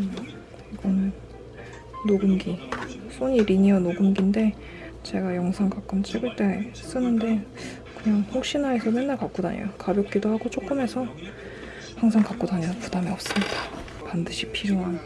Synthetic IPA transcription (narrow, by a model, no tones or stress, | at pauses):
iɡ̥ʌnɯnː | oɡɯmɡisʰoɲiɾiɲiʌnoɡɯmɡinde̞ | t͡ɕe̞ɡajʌŋsʰaŋkak͈ɯmt͡ɕ͈ʰiɡɯɭt͈e̞ | s͈ɯnɯnde̞ | kɯɲaŋɸok̚ɕ͈inɦae̞sʰʌme̞nːaɭkak͈oda̰ɲḛjokabjʌk͈idohaɡot͡ɕʰok͈ɯme̞sʰʌ | haŋsʰaŋkak͈odaɲʌʌpudamiʌp̚s͈ɯmɲid̥a | pandɯɕʰipʰiɾjoɦan